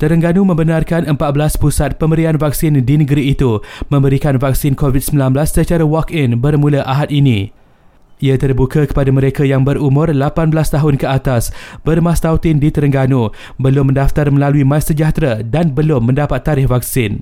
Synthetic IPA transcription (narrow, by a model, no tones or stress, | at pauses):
t̪əɾəŋɡanũmə̃mbənarkanəmpat̪̚bəlaspusat̪̚pəmbəɾianvak̚sɪndinə̃ɡəɾiːt̪umə̃mbəɾikanvak̚sɪnkovid̚səmbilanbəlasːət͡ʃaɾawɔkɪnbərmũlaʔaɦat̪̚inĩ | ʔiat̪ərbukakə̥padamə̃ɾekajaŋbəɾumʊ̃rlapanbəlast̪aɦʊnkəat̪asb̥ərmãst̪awt̪ɪndit̪əɾəŋɡanu | bəlʊmːə̃ndaft̪armə̃laluimasəd͡ʒaht̪ɾadanbəlʊmːə̃ndapat̪ːaɾɪhvak̚sɪn